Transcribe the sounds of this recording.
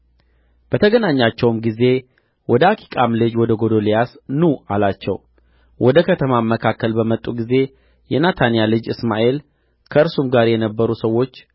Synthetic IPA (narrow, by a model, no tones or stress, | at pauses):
b̥ət̪ʰəɡənaɲːat͡ʃːɛwmɡize̞ | wɔd̪əakʰi̥kʼamlɨd͡ʒwɔd̪əɡo̞d̪o̞lijasnualat͡ʃːɛ̰w | wʔɔd̪əkʰət̪ʰəmamːəkʰakːəlbəmət̪ʼːuɡize̞ | jɛnat̪ʰanijalɨd͡ʒɨsma̰ʔe̞l | kʰəɨɾsumɡaɾjɛnəbːəɾusəwːo̞t͡ʃː